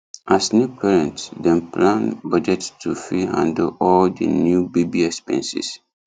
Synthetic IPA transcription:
ʔasnjupʰɛɹɛ̃ntsdɛ̃nplãnbad͡ʒɛttʰːufiã̰ndoʔɔldə̰njubibiɛkspɛ̰̃nsḭs

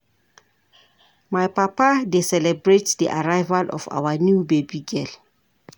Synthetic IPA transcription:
majpapadesɛlɛbɹetdiʔa̰ɹajvalʔɔ̰fa̰wənjubebiɡɛl

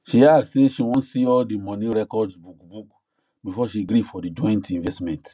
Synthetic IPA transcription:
ʃiadseʃiwɔ̃nsiɔldimɔ̃nĩɹɛkɔdbukbuk | bifɔʃiɡɾifɔdid͡ʒɔ̃j̃ntĩnvɛstmɛ̃nt

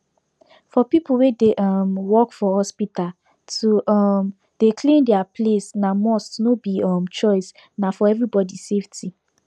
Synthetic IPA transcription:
fɔpipuwedeʔɔmwɔkfɔhɔspita | tum | d̥ekʰlĩndɛaplesnamɔstnobiɔmt͡ʃɔɪs | nafɔɛvɹibɔdisefti

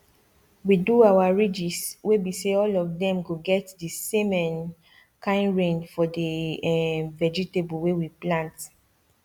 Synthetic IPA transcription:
widuawaɹid͡ʒiswebiseɔlɔvdɛ̃mɡoɡɛtdisemɛ̃n | kãɪ̃nɹẽndfɔdi | vɛd͡ʒitebɔwewiplãnt

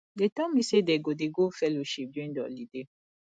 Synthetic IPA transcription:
detɔ̃mĩsedɛɡodeɡofɛloʃip̚dĩndɔ̰lide

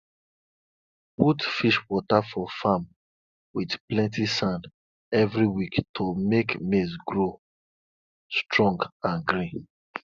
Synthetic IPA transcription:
putfiʃwɔtafɔfãm | widplɛ̃ntisãnd | ɛvɹiwiktʰomekmesɡɹo | stɹɔ̃ŋɡãnɡɾĩn

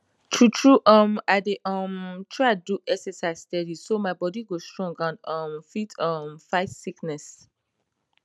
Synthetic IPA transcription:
tʰutʰɹuʔʌ̃maɪdeʔʌ̃mtʰɹaɪduʔɛksɛsaɪzstɛdisomaɪbɔdiɡostɹɔ̃ŋɡãnʌ̃mfitʰʌmfaɪtsiknɛs

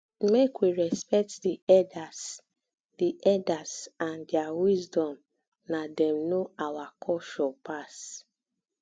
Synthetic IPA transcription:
mekwiɹɛspɛk̚tdiɛdas | diʔɛdasãndjawizdɔ̃m | nadɛ̃mnoawakʰɔʃɔpas

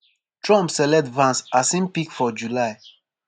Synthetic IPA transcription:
tɹɔ̃mpsɛlɛtvãnsasĩnpikfɔd͡ʒulaɪ

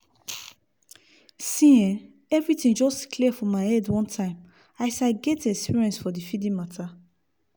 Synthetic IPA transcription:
sĩɛ̃ | ɛvɹitĩnd͡ʒɔstkliɛfɔ̃maɪhɛdwɔ̃ntʰãɪ̃m | aɪsaɡɛtɛkspiɹiɛ̃nsfɔdifidĩmatʰa

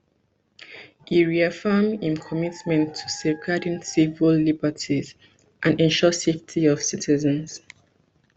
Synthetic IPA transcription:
hiɹiafɜmĩnkʰɔmitmɛ̃ntʰːu̥sɛvɡadĩnsivɹəlːibətʰiz̥ | ʔãnɛ̃nʃɔseftʰiɔv̥sitʰizə̃ns

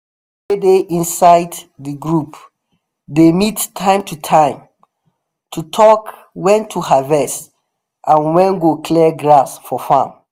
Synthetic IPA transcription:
edeʔĩnsaɪddiɡɹup | demidtʰːãɪ̃mtʰutʰãɪ̃m | tʰutʰɔk | wɛ̃ntʰuhavɛs | ʔãnwɛ̃nɡokʰlɛɡɹasfɔfã̰m

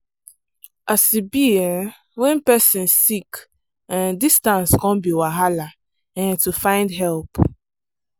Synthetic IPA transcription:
ʔasibian | wɛ̃npɛsĩnsik | ãndistãnskɔ̃nbiwaɦala | ɛ̃ntufãɪ̃ndɦɛlp

